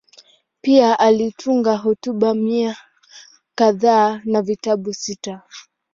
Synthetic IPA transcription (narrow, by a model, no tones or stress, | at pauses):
piaʔalitʰuŋɡaɦɔtuɓamia | kaðaːnavitaɓusita